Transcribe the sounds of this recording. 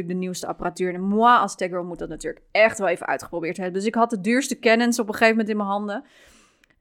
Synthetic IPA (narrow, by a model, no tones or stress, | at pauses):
lək̚dəniwstəɑ̰paratyːɹnɛmuaɑlˠstɛɡɹəlˠmut̚dɑtnatyːɹlək̚ɛχtʋɛlˠejvənʔœ̰ɥtχə̥prowbɪːɹtɦɛbəndøs̬ɪkɦɑt̚dədyːɹstəkɛnənsɔpəχejvəmɛntɪnməɦɑndə